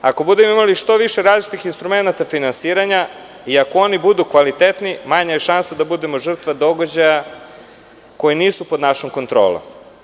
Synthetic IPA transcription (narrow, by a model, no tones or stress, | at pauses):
ako̞bud̪e̞moimaliʃt̪o̞ʋiʃeɾaːzt͡ʃit̪ixinst̪ɾume̞nat̪afinansiːɾaɲa | iakoo̞nibud̪ukʋalit̪et̪nimaɲajeʃansad̪abud̪emo̞ʒr̩t̪ʋad̪o̞ɡad͡ʑaja | ko̞jeniːsupo̞d̪naʃoŋko̞nt̪ɾo̰ːlˠo̰m